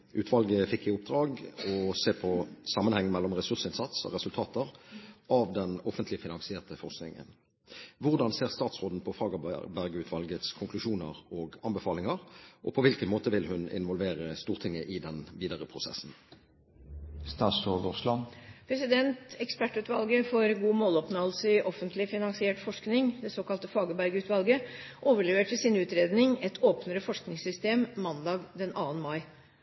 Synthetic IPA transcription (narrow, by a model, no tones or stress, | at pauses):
ʔʉːt̪ʰʋɑlɡəfɪkːɪʊp̚d̪ʁɑːɡɔseːpʰɔsɑmːənhɛŋːmɛlːɔmʁɛsʉʁsɪnsɑt̪sɔ̰ʁɛsʉlt̪ʰɑːt̪əʁɑʋd̪ɛnɔfənt̪lɪfɪnɑŋsɪeːʁt̪əfɔʁsknɪ̰ŋə̰n | ʋʊʁd̪ɑnseːʁst̪ɑːt̪sʁoːd̪n̩pʰɔfʁɑːɡəbæʁɡəʉːt̪ʰʋɑlɡət̪skʰʊŋklʉʃuːnəʁɔɡɑnbɛfɑːlɪŋɑʁʔɔ̰pʰɔʋɪlkənmoːt̪əʋɪlɦʉnɪ̰nʋɔlʋeːʁəst̪uːʁt̪ʰɪŋːəʔɪd̪ɛnʋiːd̪əʁəpʰʁʊsɛ̰sn̩ | st̪ɑːsɔdʊʁslɑnpʰɾɛsɪd̪ɛnt̪ɛkspæʈːʉːt̪ʋɑlɡəfɔɾɡuːmoːlɔpnɑlsəʔɔfənt̪lɪfɪnɑŋsɪɛːʈfɔʂknɪŋd̪ɛsoːkɑlt̪əfɑːɡəbæɾɡəʉːt̪ʋɑlɡəʔoːʋəɭɛʋeːʈʰɪsɪnʉːt̪ɾeːd̪nɪŋɛt̪ʰoːpnəɾəfɔʂknɪŋsʏst̪eːmmɑnd̪ɑːɡd̪ɛnɑːʋənmɑɪ